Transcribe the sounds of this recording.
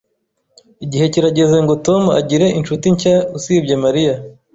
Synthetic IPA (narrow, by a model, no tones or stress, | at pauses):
iɟihe̞ciɾaɟe̞zeŋɡo̞to̞mua̰ɟiɾe̞ʔinʃutiɲcausiːbɟemaɾija